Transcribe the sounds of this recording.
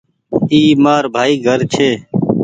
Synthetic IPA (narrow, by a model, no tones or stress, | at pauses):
iːmaːɾbʱaːiːɡʱəɾt͡ʃʰeː